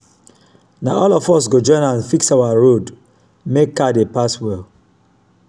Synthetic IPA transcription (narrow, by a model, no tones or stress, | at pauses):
naɔlɔfɔsɡod͡ʒɔ̃ɪ̃nãnfiksaʊaɹod | mekːadepaswɛl